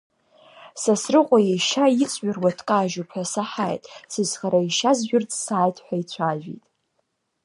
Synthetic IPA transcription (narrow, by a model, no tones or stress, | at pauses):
sasrɨqʷʼajejʃait͡sʼɥarwatʰkʼaːʒupʰħʷᶣasaħajtʼsɨzχaɾaiʃazʒᶣʊrt͡sʼsaːjtʰʼħʷᶣait͡sʷʰaʒᶣḭtʼ